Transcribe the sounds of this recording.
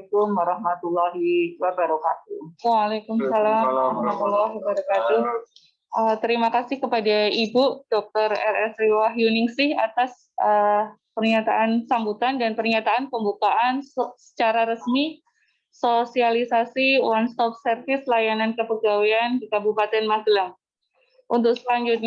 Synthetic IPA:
kʊmɾahmat̪ulaɦiwabaɾokat̪̚uwaːlekumsalaɾahmat̪ulaɦibaɾakat̪u | ʔət̪əɾimakasɪhkəpadaibud̥ɔk̚t̪ɔrɛ̰rɛsɾiwaɦjunɪŋsɪha̰t̪as | ʔə | pərɲat̪aʔansambut̪andanpərɲat̪aanpəmbukaʔansə̥t͡ʃaɾaɾəsmi | sosialisasiwanst̪ɔp̚sərfɪslajanankəpəɡawiandikabupat̪ɛnmaslam | ʔunt̪ʊk̚səlaɲd͡ʒut̪̚ɲ

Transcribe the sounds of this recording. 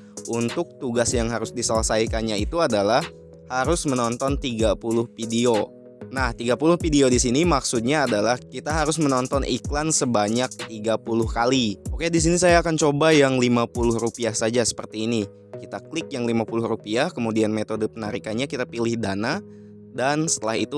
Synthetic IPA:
ʔunt̪ʊk̚t̪uɡasjaŋɦaɾʊsdisələsajkanɲait̪uadalah | haɾʊsmənɔnt̪ɔnt̪iɡapulʊhfidio | naht̪iɡapulʊhfideodisinimaksut̪̚ɲaːdalahkit̪aɦaɾʊsmənɔnt̪ɔnʔḭklansəbaɲak̚t̪iɡapulʊhkaliokedis̬inis̬ajaːkant͡ʃobajaŋlimapulʊhrupiahsad͡ʒasə̥pərt̪iːni | kit̪aklɪk̚jaŋlimapulʊhrupiahkəmudianmet̪odəpənaɾikanɲakit̪apilɪhdana | dansə̥t̪əlaɦḭt̪u

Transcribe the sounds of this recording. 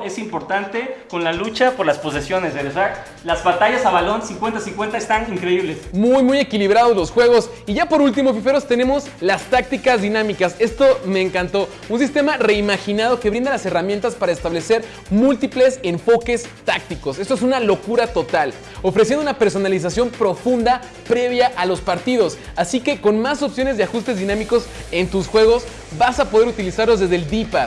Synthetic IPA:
e̞simpo̞ɾt̪ant̪e̞ko̞nlalut͡ʃapo̞ɾlaspo̞s̬e̞sjo̞neseosea | lazβat̪aʝasaβalo̞nsiŋkwe̞nt̪asiŋkwe̞nt̪aest̪aniŋkɾeiβlesmujmuje̞kiliβɾað̞o̞elosxwe̞ɣ̞o̞s | iʝapo̞ɾult̪̬imofife̞ɾo̞st̪e̞nẽ̞mo̞s | last̪ak̚t̪ikazðinãmikase̞st̪o̞me̞ːŋkant̪o̞ | unsist̪e̞mare̞imaxinað̞o̞ke̞βɾĩnd̪alase̞ramjent̪aspaɾaest̪aβle̞se̞ɾ | mult̪iple̞se̞ɱfo̞ke̞st̪ak̚t̪iko̞sest̪oesunalo̞kuɾat̪o̞t̪al | o̞fɾesjenounape̞ɾso̞nalis̬asjo̞mpɾo̞fund̪a | pɾe̞βjaʔalo̞spaɾt̪iðo̞s | asike̞ko̞nmaso̞psjo̞nezðe̞axust̪e̞zðinãmiko̞se̞nt̪usxwe̞ɣ̞o̞s | basapo̞ð̞e̞ɾut̪ilisaɾlo̞zðe̞zðeld̪ipa

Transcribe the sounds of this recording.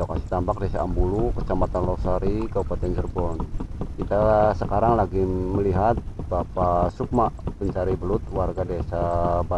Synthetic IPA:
akasi̥t̪ampak̚dɛsaːmbulukət͡ʃamat̪anlɔsaɾikabupat̪ɛnd͡ʒərbɔnkit̪asəkaɾaŋlaɡiməliɦat̪̚bapasuk̚maʔpəɲt͡ʃaɾibəlʊt̪̚warɡadɛsaba

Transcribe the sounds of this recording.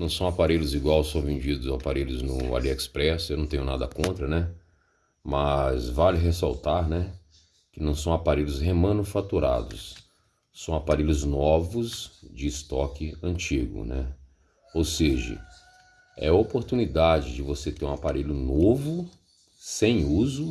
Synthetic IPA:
nɐ̃w̃sɐ̃w̃apaɾelʊziɡwawsõvẽnd͡ʒid̪ʊzaapaɾelʊznʊa̰liɛkspɾɛsewnɐ̃t̪ẽɲʊ̃nad̪ɐkõnt̪ɾɐnɛ | mɐzvalɪɦesa̰wt̪aɾnɛ | kɪnɐ̃w̃sɐ̃w̃apaɾelʊshemɐ̃nufat̪uɾa̰d̪ʊ̰sː | ɐ̃w̃apaɾelʲʊznɔvʊzd͡ʒɪːst̪ɔkɪɐ̃t͡ʃiɡʊ̰nɛ | owseʒɐ̰ | ɛ̰ɐopoɾt̪unid̪ad͡ʒɪd͡ʒɪvoset̪eɾũapaɾeʎʊnovʊ | sẽj̃uzʊ

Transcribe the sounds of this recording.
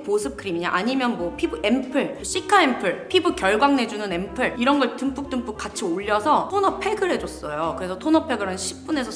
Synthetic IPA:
posʰɯp̚k͈ʰɯɾimiɲa̰ʔaɲimjʌnmwʌpʰibɯempʰɯɭɕ͈ʰikʰaempʰɯɭpʰibɯkjʌɭɡwaŋne̞d͡ʑunɯne̞mpʰɯɭiɾʌnɡʌɭtɯmp͈ʰuk̚t͈ɯmpʰuk̚k͈at͡ɕʰioʎːʌsʰʌtʰonʌpʰe̞ɡɯɾɦe̞d͡ʑʌs͈ʌjokɯɾe̞sʰʌtʰonʌpʰe̞ɡɯɭɯnɕʰip̚p͈unesʰʌ

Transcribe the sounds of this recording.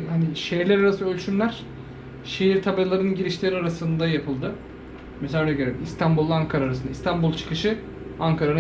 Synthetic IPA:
haniʃejiɾlʲæɾaɾasɯø̞lʲt͡ʃʰynlʲæɾ̥ | ʃejiɾt̪ʰabalˠaɾɯnɟiɾiʃlʲeɾiaɾasɯnd̪ajapʰɯlˠd̪ɯ | meseanʲɛɟøɾeimist̪ʰanbulˠːaaŋkʰaɾaːɾasɯnd̪aist̪ʰanbulˠt͡ʃʰɯ̥kɯʃɯ | aŋkʰaɾan

